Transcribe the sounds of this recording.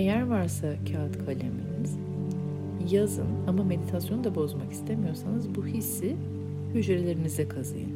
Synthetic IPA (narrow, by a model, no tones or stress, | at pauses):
ejæɾvaɾsacʰaːt̪kʰalʲemelimiz̥ | jazɯ̰namame̞d̪it̪ʰasjo̞nd̪abo̞zmaki̥st̪ʰe̞mijo̞ɾsanɯzbuhisːi | yd͡ʒɾe̞lʲe̞ɾinizd̪ɛkʰazɯ̰jɯ̰n